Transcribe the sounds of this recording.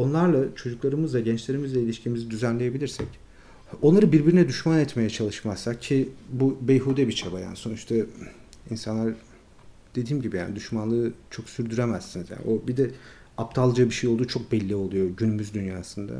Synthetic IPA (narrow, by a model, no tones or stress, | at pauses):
o̞nlˠaɾlˠat͡ʃʰo̞d͡ʒuklˠaɾɯmɯzˠaɟɛnt͡ʃlʲe̞ɾimizlˠailʲiʃcimizid̪yzænlʲe̞jebilʲiɾsɛ̰c | o̞nlˠaɾɯbiɾbiɾinɛd̪yʃmanɛt̪me̞jɛt͡ʃʰalˠɯʃmazsak̚cʰibubejɦuːd̪ɛbit͡ʃʰabaja̰nso̞nuʃt̪ʰa | insanlˠaɾ | d̪̥e̞d̪iːmɟibija̰ːnid̪yʃmanlˠɯt͡ʃʰo̞ksyɾd̪yɾemæzsinizja̰ːniʔo̞bid̪ɛ | ap̚t̪ʰalˠd͡ʒabiʃejolˠd̪uːt͡ʃʰo̞k̚bɛlʲːio̞lˠujo̞ɟynymyzd̪ynjaːsɯnd̪a̰